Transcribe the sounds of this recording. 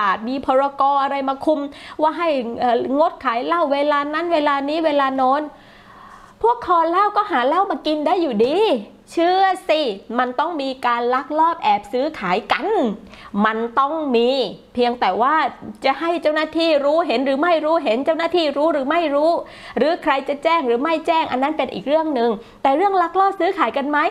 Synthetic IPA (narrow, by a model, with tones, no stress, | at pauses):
ʔaː˨˩t̪̚miː˧pʰɔː˧ɾa˧kɔː˧ʔa˧ɾa˧jmaː˧kʰu˧mwaː˥˩ɦa˥˩jʔəː˨˩ŋo˦˥t̪̚kʰaː˩˦jla˥˩wːeː˧laː˧na˦˥˨nweː˧laː˧niː˦˥weː˧laː˧nɔː˧˥n | pʰu˥˩əkʰːɔː˧laː˥˩wkɔː˥˩ɦaː˩˦lɛ˦˥˩wmaː˧ki˧nda˥˩jːuː˨˩diː˧ | t͡ɕʰɯː˥˩əsi˧˩ma˧nt̪ɔ˥˩ŋmiː˧kaː˧nla˦˥k̚lɔː˥˩p̚ʔɛː˨˩p̚sɯː˦˥kʰaː˩˦jka˧n | ma˧nt̪ɔ˥˩ŋmiː˧pʰi˧əŋt̪ɛː˨˩waː˥˩t͡ɕa˨˩ha˥˩jt͡ɕa˥˩wnaː˥˩t̪ʰiː˥˩ɾuː˦˥ɦe˩˦nɾɯː˩˦ma˥˩jɾuː˦˥ɦe˩˦nt͡ɕa˥˩wnaː˥˩t̪ʰiː˥˩ɾuː˦˥ɾɯː˩˦ma˥˩jɾuː˦˥ | ɾɯː˩˦kʰɾa˧jt͡ɕa˨˩t͡ɕɛː˥˩ŋɾɯː˩˦ma˥˩jt͡ɕɛː˥˩ŋʔa̰˧nːa˦˥npe˧nʔḭː˨˩k̚ɾɯ˥˩əŋnɯ˨˧ŋ | t̪ɛː˨˩ɾɯ˥˩əŋla˦˥k̚lɔː˥˩p̚sɯː˦˥kʰaː˩˦jka˧nma˦˥j